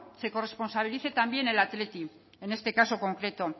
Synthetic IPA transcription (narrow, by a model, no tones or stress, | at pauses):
se̞ko̞re̞spo̞nsaβ̞iliθe̞t̪ambje̞ne̞lat̪le̞t̪i | e̞nest̪e̞kaso̞ko̞ŋkɾe̞t̪o̞